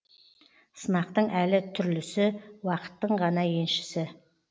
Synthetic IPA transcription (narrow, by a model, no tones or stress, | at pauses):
sənɑq̚t̪əɴʔælɪt̪ʰʏɾlɪsɪwɑqə̥t̪ːəɴʁɑnɑje̞nʃɪ̥sɪ